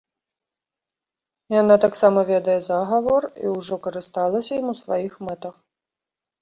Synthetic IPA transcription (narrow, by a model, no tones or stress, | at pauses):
janat̪aksamɐvʲɛd̪ɐjɛzaɣɐvɔrḭwʐɔkɐɾɨst̪alˠɐsʲɐjimusvajixmɛt̪ɐx